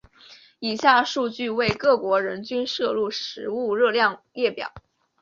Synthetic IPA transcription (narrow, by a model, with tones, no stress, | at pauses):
i˨˩ɕja˥˧ʂu˥˧t͡ɕy˥˧we˥˧ɪkɤ˥˩kwɔ˧˥ɻə˧˥nt͡ɕy˥nʂɤ˥˧lu˥˩ʂɻ̩˧˥u˥˧ɻɤ˥˧ljɑ˥˧ŋljɛ˥˩pjɑ̰˨˩˦ʊ